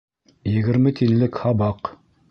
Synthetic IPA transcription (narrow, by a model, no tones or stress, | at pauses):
jɘ̆ɡɘ̆ɾmɘt̪ʰillːɘkhɑbɑq